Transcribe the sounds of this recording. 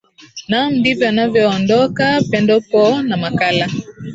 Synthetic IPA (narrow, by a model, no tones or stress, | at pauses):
nam̩divjanavjɔɔndɔkapɛndɔpɔnamakala